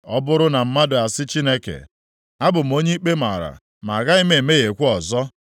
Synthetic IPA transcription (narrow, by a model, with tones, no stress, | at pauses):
ɔ˦bʊ˦ɾʊ˦na˨m̩˦ma˦dʊ˨a˨sɪ˦t͡ʃi˦ne˦kḛ˨ | a˦bʊ˨m̩˨˦o˦ɲe˦k͡pe˦ma̰˨ɾa̰˨ | ma˨ɣa˦ɪ˦me˨e˨me˦ɣe˨kʷu˦ɔ˨zɔ˦